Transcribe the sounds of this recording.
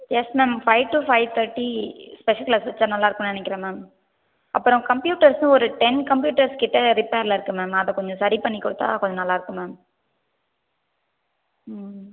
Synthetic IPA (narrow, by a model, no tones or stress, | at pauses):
jɛsmeːmfɐɪʋʈufɐɪʋt̪ʰɐɾʈːispɛʂɐlklaːsʋɐt͡ʃːɐnɐlːaːɪɾɯkːʊ̃mnɐɳɛkːɪɾẽmeːm | ʔɐpːɯɾɔ̃kɐmpjuːʈːɐɾsnɯ̃ɔɾɯʈɛnkɐmpjuːʈɐɾskɪʈːɐɾɪpeːɾlɐɪɾɯkːɯmeːmɐðɛ̃kɔɲd͡ʒɔ̃sɐɾipɐɳːɪkːʊɽɯt̪ːa̰ːkɔɲd͡ʒɔnɐlːaːɪɾɯkːɯ̃meːm